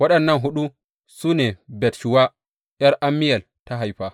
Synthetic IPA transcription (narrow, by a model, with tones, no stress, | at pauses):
wa˦ɗɐ˨nːɐ˦nɦu˦ɗu˦ | su˦nɛ˨bɛ˨tʃu˨wa˦ | ʔjɛ˦ɾʔa˦mːi˦ja˨l | ta˦ɦa˨jɸa˨